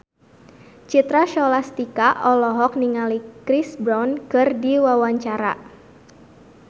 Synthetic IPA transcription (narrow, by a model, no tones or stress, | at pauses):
t͡ʃit̪ɾaʃɔlast̪ikaʔɔlɔɦɔk̚niŋalikɾisbɾɔnkɨrdiwawaɲt͡ʃaɾa̰